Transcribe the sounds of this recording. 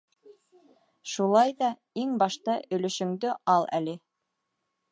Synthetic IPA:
ʃulˠɑjðɑ | iŋbɑʃt̪ɑʔɵ̆lɵ̆ʃɵ̆ŋd̪ɵʔɑlˠæ̰lɘ

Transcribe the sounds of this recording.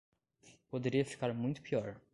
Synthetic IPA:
pod̪eɾiɐfi̥kaɾmũj̃t̪ʊ̥piɔɾ

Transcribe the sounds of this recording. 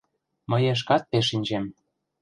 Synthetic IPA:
mɤ̆jeʃ̬kɑt̪̚peʃ̬inʲd͡ʑem

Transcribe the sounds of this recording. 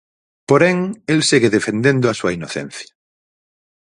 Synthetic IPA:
poɾeŋelseɣeðefẽnd̪ẽnd̪oasuainoθḛ̃n̟θja

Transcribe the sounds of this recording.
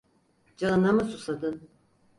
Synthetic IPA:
d͡ʒaɯnamɯsusad̪ɯn

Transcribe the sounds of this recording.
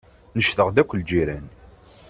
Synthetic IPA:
nəʃθəʁd̪ækʷːld͡ʒiɾæn

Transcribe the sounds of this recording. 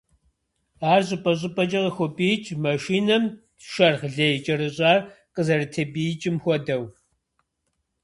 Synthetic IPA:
aːrʑʼɪpʼɐɕ̬ʼɪpʼɐd͡ʒʼɐʁɐxʷɔpʼiːt͡ʃʼmɐʃiːnɐm | ʃɐrχɮejt͡ʃʼɐrɨɕʼaːrqəzɐrɨtʰebiːjt͡ʃʼɪmxʷɔdɐw

